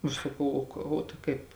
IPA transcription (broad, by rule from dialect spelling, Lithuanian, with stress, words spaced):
ɐʃ sɐˈkɐʊ oː ˈkɐ oː tɐɪ ˈkɐɪp